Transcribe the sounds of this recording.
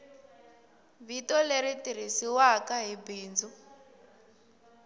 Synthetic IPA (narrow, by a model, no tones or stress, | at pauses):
βitɔleɾitiɾ̤isiwakaɦibiːnd͡zu